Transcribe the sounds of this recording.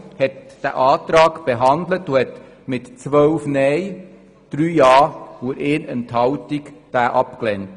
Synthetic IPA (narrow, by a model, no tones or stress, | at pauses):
hɛt | d̥æ̰ʔɑːtɾɑːkb̥eɦɑndlət̪uhɛt | mɪtt͡sʋœwfnɛj | d̥ɾyːjɑːuɾɪːnənthɑwtikd̥æːʔɑpklɛnt